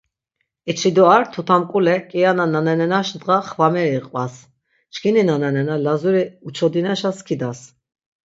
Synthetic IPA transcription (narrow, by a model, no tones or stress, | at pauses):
it͡ʃʰid̪uaɾt̪ʰut̪ʰamkʼulɛkʼijanananɛnɛnaʃnd̪ʼʁaχvamɛɾiqʼvas | t͡ʃkʰininanɛnɛnalazuɾiut͡ʃʰɔd̪inɛʃaskʰid̪as